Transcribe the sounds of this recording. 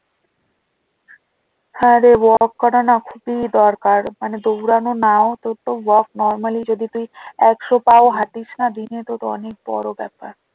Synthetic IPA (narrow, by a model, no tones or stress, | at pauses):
haɾewɔkːɔɾanakʰubid̪ɔɾkaɾmaned̪owɾanonaot̪ot̪owɔk̚nɔɾmalid͡ʑod̪it̪ujɛkʃopaoɦaʈ̪it͡ɕʰnad̪inet̪ot̪oɔ̰nek̚bɔ̰ɾobɛ̰pa̰ɾ